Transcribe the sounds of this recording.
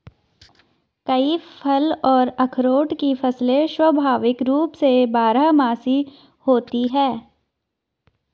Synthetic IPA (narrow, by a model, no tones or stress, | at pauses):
kɐipʰɐlɔːɾɐkʰɾoːʈkifɐslẽʃwɐbʱaːʋɪkɾuːpsebaːɾəɦmaːsi | hoːt̪iɦɛː